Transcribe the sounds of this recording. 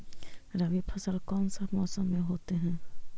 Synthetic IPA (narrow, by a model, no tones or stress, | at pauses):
ɾəʋipʰəsəlkɔːnsəbmɔːsəmːẽɦoːt̪eɦɛ̃ː